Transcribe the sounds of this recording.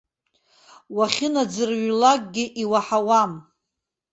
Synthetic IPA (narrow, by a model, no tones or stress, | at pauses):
waχʲɪnad͡zɨrɥlak̚ʼɡʲɪʔiwaħawam